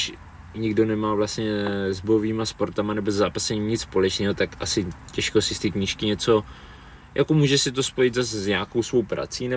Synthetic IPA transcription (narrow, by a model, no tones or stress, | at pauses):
ɲɪɡdo̞nɛmaːvlast̪ɲɛzbojoviːmaspo̞ɾt̪amanɛbozɛzaːpasɛɲimɲɪt͡sspo̞lɛt͡ʃnɛːɦo̞t̪akʔasɪcɛʃkosɪst̪ikɲiʃkɪɲɛt͡so̞ | jʔakomuːʒɛsɪt̪̬o̞spo̞jɪt̪zaszɲaːkowsvo̞wpɾa̰t͡siːnɛ